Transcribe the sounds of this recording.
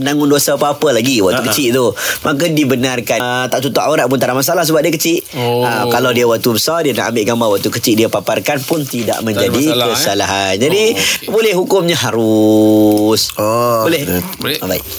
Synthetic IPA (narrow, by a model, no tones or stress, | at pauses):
ənaŋʊndosapaːpəlaɡiwaʔk̚t̪ukət͡ʃɪʔt̪ʊmʔakədibənarkat̪aʔ̚t̪ut̪aʔaoɾaʔpʊnt̪aɾamas̬alahs̬əbap̚diəkət͡ʃɪʔəkalawdiawak̚t̪ubəsardiana̰ʔambɪʔɡambawaʔ̚t̪ukət͡ʃiʔdiapaparkanpʊnt̪ida̰ʔmə̃ɲd͡ʒadikəsalaɦand͡ʒadibolɛhɦukʊmɲaɦaɾʊ | solɛbai